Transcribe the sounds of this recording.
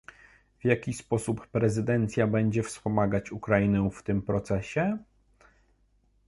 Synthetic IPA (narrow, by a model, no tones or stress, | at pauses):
vjakʲispɔsupːɾɛzɘd̪ɛnt̪sʲjabɛɲd͡ʑɛfspɔmaɡat͡ɕukɾainɛft̪ɘmpɾɔt̪sɛɕɛ